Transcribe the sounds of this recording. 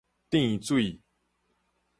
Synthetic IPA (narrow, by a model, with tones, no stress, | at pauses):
t̪ĩ˥˧ŋi˨˧t͡swi˥˨